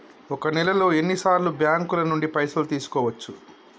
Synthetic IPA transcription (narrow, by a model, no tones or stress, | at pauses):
ɔkɐnɛlɐlo̞ːe̞nːisaːɾlubjaːŋkulɐnuɳɖipɐjsɐlut̪iːsu̥kɔːʋɐt͡ʃːu